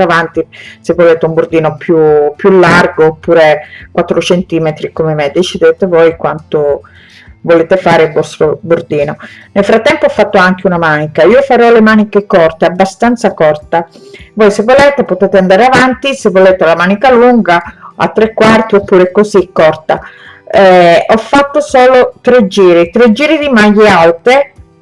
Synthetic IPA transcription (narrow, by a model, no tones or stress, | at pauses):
avant̪isevːoleːt̪eumburd̪iːnopjupːjulːarɡoːpːuːɾekwat̪ːɾot͡ʃent̪iːmet̪ɾikomemed̪et͡ʃid̪eːt̪evɔjkwant̪o | voleːt̪efaːɾeilvɔst̪ɾobord̪iːnonelfɾat̪ːɛmpoafːat̪ːoaŋk̟eunamaːnikaiːofaɾɔlemaːnikekɔrt̪eabːast̪ant̪sakɔrt̪avɔjsevːoleːt̪epot̪eːt̪eand̪aːɾeavant̪isevːoleːt̪ealamaːnikaluŋɡaa̰t̪ːɾekːwart̪iopːuːɾekozikːɔrt̪aɛɔfːat̪ːosoːlot̪ɾed͡ʒiːɾet̪ɾed͡ʒːiːɾed̪imajːealt̪e